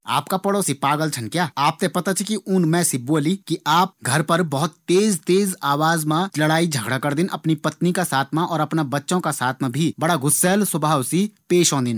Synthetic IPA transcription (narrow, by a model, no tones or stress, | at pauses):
a̰ːp̚kapɐɽoːsipaːɡəlt͡ʃʰɐnkjaːaːp̚t̪epɐt̪at͡ʃʰikiʊnmɛ̃ːsiboːlikiʔaːp̚ɡʱɐɾpɐɾbɔɦʊt̪ːeːzt̪eːzaːʋaːzmãlɐɽaːid͡ʒʱɐɡɽakɐɾd̪ɪnʔɐpnipɐt̪nikasaːt̪ʰmãʔɔːɾɐpnabɐtːʃõkasaːt̪ʰmãbʱibɐɽaɡʊsːɛlswɐbʱaːwsipeːʃɔ̃ːnd̪ɪn